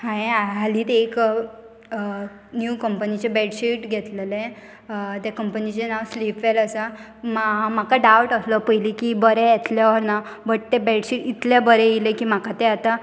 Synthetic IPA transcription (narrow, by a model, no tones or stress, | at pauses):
ɦãeaaliːt̪ek | njukəmpənit͡ɕebɛɽɕiʈɡʱɛt̪lelẽ | t̪jakəmpənit͡ɕenaʋslipʋeləsa | mam̤akaɖawʈəsləpəjlikibəɾẽjet̪ljaʋəɾnabəʈt̪ebɛɽɕiʈit̪labəɾɛ̃jilekiːm̤akat̪eat̪a